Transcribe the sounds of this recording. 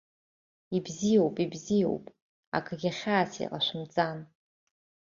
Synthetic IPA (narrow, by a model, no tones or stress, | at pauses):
ibzijowpʼibzijo̰wpʼ | a̰kʰɨɡʲaχʲaːsḭqʼa̰ʃʷʊmt͡sʼan